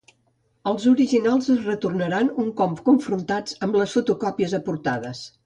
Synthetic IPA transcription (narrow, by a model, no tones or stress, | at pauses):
əlˠzuɾiʒinalˠzəzrət̪urnəɾanuŋkɔmpkuɱfɾunt̪ad͡zəmbləsfut̪ukɔpiəzəpuɾt̪aðəs